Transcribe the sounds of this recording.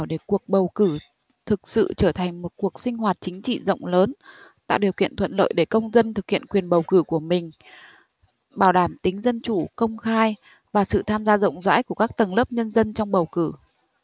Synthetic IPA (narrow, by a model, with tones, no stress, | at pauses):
wɗe˧˩ku˨˩ək̚ɓə˨˩wkɨ˧˩ | t̪ʰɨ˨˩k̚sɨ̰˧˨t͡ɕəː˧˩t̪ʰa˨˩ŋ̟mo˨˩t̚ku˨˩ək̚sï˧ŋ̟ɦwaː˨˩t̚t͡ɕï˨˦ŋ̟t͡ɕḭ˧˨zə̰˧˨wŋ͡mləː˨˦nt̪a̰ː˧˨wɗi˨˩əwkḭ˧˨ənt̪ʰwə̰˧˨nlo̰ː˧˨jɗe˧˩kə˧wŋ͡mzə˧nt̪ʰɨ˨˩k̚hḭ˧˨ənkwi˨˩ənɓə˨˩wkɨ˧˩ku˧˩əmï˨˩ŋ̟ | ɓaː˧˩wɗaː˧˩mt̪ï˨˦ŋ̟zə˧nt͡ɕu˧˩kə˧wŋ͡mxaː˧j | vaː˨˩sɨ̰˧˨t̪ʰaː˧mzaː˧zə̰˧˨wŋ͡mza̰ː˧˥jku˧˩əkaː˦˥k̚t̪ə˨˩nlə˦˥p̚ɲə˧nzə˧nt͡ɕɔ˧wŋ͡mɓə˨˩wkɨ˧˩